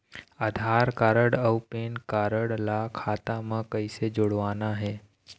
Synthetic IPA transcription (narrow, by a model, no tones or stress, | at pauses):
ad̪ʱaːɾkaːɾəɽəwpeːnkaːɾəɽlakʰaːt̪amãkəised͡ʒoɽʋaːnaɦeː